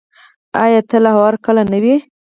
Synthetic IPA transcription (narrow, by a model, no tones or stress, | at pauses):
ajɑt̪əlahwɑɾkəlanəwi